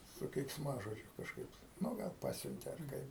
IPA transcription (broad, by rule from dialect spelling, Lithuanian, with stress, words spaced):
sʊ kʲɛɪksˈmɑːʒoːd͡ʒʲʊ kɐʃˈkɐɪp nʊ ˈɡɐlˠ ˈpɑːsʲʊnʲtʲeː ɐr ˈkɐɪp